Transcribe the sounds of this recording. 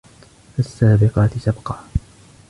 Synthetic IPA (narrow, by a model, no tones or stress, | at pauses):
asːaːbɪqɑːt̪ɪsabqɑː